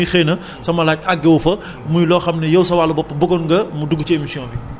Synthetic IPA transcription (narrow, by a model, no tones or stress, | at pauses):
ixɛːnɐ | sɐmɐlaːcaɡːɛwfɐ | mujlɔːxɐmnɐjɐwsɐwaːlɐbɔpːəbɔɡɔnɡɐmuduɡːut͡ʃemisjɔ̃bi